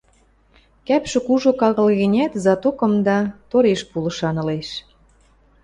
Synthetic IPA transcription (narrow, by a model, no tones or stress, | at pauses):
kæpʃɘ̆kuʒokɑɣɤ̆lɣĕnʲæt̪zɑt̪okɤ̆md̪ɑt̪oɾeʃpulɤ̆ʃɑnɤ̆leʃ